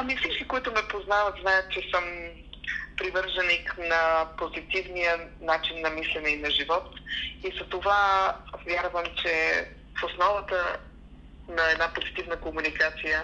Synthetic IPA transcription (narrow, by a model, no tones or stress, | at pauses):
ɐmifsit͡ʃkikoit̪ʊmɛpoznavət̪znajət̪̚t͡ʃɛsəm | pɾivəɾʒəniknɐpozit̪ivnijənat͡ʃinːɐmislɛnɛinɐʒivɔt̪izɐt̪ovavʲjaɾvəmt͡ʃɛ | fosnɔvət̪ə | nɐɛd̪napozit̪ivnəkomunikat̪sijə